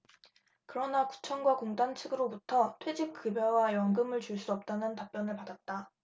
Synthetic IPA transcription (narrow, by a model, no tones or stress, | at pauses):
kɯɾʌnaku̥t͡ɕʰʌnɡwakoŋdant͡ɕʰɯɡɯɾobutʰʌtʰwe̞d͡ʑik̚k͈ɯbjʌwajʌŋɡɯmɯɭt͡ɕuɭs͈uʌp̚t͈anɯntap͈jʌnɯɭpadat̚t͈a